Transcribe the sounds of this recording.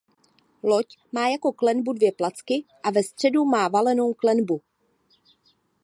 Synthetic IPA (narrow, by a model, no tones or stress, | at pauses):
locmaːjako̞klɛnbudvjɛplat͡skɪʔavɛst̪r̝̥ɛdumaːvalɛno̞wklɛnbu